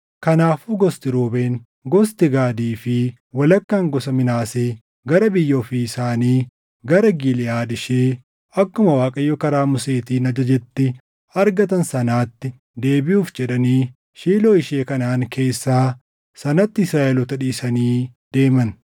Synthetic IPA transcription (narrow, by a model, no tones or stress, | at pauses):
kɐnaːfʊɡɔst̪ɪɾoːbe̞ːn | ɡɔst̪ɪɡaːd̪iːfɪ | wɐlɐkːaːŋɡɔsɐmɪnaːseː | ɡɐɾɐbɪjːɐɔfiːsaːniː | ɡɐɾɐɡilɪjaːd̪ɪʃeː | ɐkːʊmɐwaːkʼɐjːɔkɐɾaːmʊse̞ːt̪iːnɐd͡ʒɐd͡ʒɛt̪ːɪ | ɐɾɡɐt̪ɐnsɐnaːt̪ːɪ | d̪e̞ːbɪjuːfd͡ʒɛᶑɐniː | ʃiːloːɪʃe̞ːkɐnaːŋke̞ːsːaː | sɐnɐt̪ːɪɪsɾaːʔɛlɔt̪ɐᶑiːsɐniːd̪̥e̞ːmɐn